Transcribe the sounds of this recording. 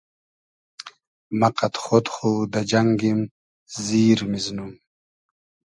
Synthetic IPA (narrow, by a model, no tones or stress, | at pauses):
maqat̪xot̪χud̪ad͡ʒaŋɡim | ziːɾmiznum